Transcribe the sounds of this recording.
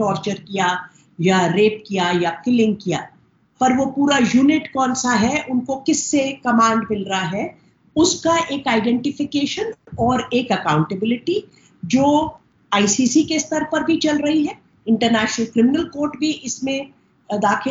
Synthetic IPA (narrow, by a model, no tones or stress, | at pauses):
ʈɔːɾt͡ʃəɾkija | jaɾeːp̚kijajafɪlɪ̃ŋɡkija̰ː | pɐɾʋopuːɾajuːnɪʈkɔːnsaɦɛʔʊnkokɪsːekɐmãːɳɖmɪlɾɐɦaɦɛ | ʊskaʔeːkaːɪɖɛ̃ɳʈɪfɪkeːʃənɔːɾeːkɐkãːʊ̃ɳʈəbɪlɪʈi | d͡ʒoː | aːisiːsikeɪst̪ɐɾpɐɾbʱit͡ʃɐlɾɐɦiɦɛː | ɪ̃ɳʈəɾnɛːʃnəlkɾɪmɪnəlkoːɾʈbʱiʔɪsmẽ | d̪aːkʰɪ